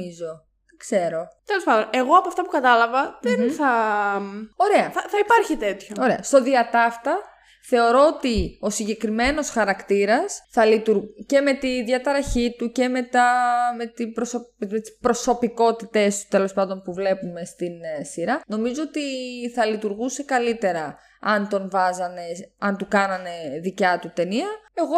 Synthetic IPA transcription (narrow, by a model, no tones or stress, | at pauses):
izo | kse̞ɾo̞t̪elo̞spɐnd̪one̞ɣo̞ɐpoɐft̪ɐpukɐt̪ɐlɐvɐðenθɐ | o̞ɾe̞ɐθɐθɐipɐɾçit̪e̞t̪çooɾeɐ̰st̪o̞ðiɐt̪ɐft̪ɐ | θe̞o̞ɾo̞ot̪io̞siɲɟe̞kɾime̞no̞sxɐɾɐkt̪iɾɐsθɐlit̪uɾce̞me̞t̪iðʝɐt̪ɐɾɐçit̪uce̞me̞t̪ɐmet̪ibɾosot̪ispɾo̞so̞piko̞t̪it̪e̞st̪u̥t̪e̞lo̞spɐnd̪o̞npuvle̞pume̞st̪insiɾɐno̞mizoot̪iθɐlit̪uɾɣusekɐlit̪e̞ɾɐ | ɐnt̪o̞nvɐzɐne̞ɐnt̪ukɐnɐne̞ðicɐt̪ut̪e̞niɐe̞ɣo̞